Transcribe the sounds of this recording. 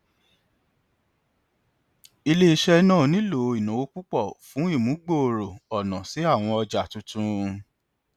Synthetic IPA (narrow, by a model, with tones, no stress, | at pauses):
i˧le˦i˧ʃɛ˧nãː˦˨nĩ˨˦lo˨˧i˨nũ˨o˧˦k͡pu˦k͡pɔ˦˨fũ˨˦i˦˨mũ˨˦ɡ͡bo˦˨ɾo˨ɔ˨nã˨si˨˦a˦˨w̃ɔ̃˧ɔ˧d͡ʒa˨tũ˨˦tũ˦